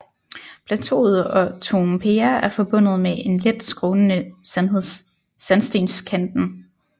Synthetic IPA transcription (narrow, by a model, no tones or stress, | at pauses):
pʰlæt͡sʰo̝̰ːð̞̩ˠɒ̽t͡sʰo̝mpʰeːɐæɐfɒ̽b̥ɔ̽n̰ð̞̩ˠmeʔe̝nled̥sɡ̥ʁɔːnənə | sænsd̥e̝ːnskʰænd̥n̩